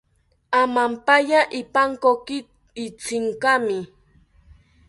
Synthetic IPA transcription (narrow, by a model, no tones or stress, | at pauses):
amampajaʔɪpaŋkokɪ | ɪt͡sɪŋkamɪ